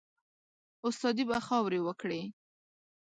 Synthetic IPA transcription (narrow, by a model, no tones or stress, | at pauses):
ʊst̪ɑd̪ibaxɑwɾewəkɽe